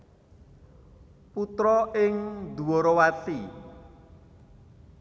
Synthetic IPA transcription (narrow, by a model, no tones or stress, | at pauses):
put̪ɾɔɪŋd̪ṳwɔɾɔwati